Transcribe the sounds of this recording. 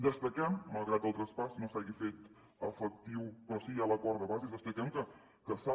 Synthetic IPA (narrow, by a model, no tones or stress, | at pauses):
d̪əst̪əkɛmːəlˠɣɾat̪̚d̪əlˠt̪ɾəspasnosaɣifet̪ | əfək̚t̪iwpɾɔsiialəkɔɾðəβazizd̪əsplikɛmkə | kəsa